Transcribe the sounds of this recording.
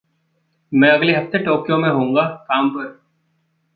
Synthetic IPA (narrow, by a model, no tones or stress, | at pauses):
mɛ̃ːɐɡleɦɐft̪eʈoːkjõmẽɦõːŋ̆ɡakaːmpɐɾ